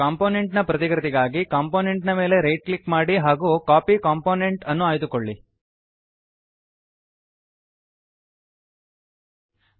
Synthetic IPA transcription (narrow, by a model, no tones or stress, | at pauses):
aːmpoːne̞ɳʈnɐpɾɐt̪ikɾɐt̪iɡaːɡikaːmpoːneɳʈnɐme̞ːle̞ɾejʈ̚klikmaːɽiɦaːɡukaːpikaːmpoːneɳʈɐnːuaːjd̪ukoɭːi